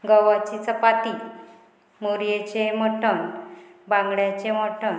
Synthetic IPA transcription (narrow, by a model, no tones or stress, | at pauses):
ɡəʋat͡ɕit͡səpaʈ̪i | moɾjet͡ɕeməʈənbãŋɡɽjat͡ɕeməʈʰən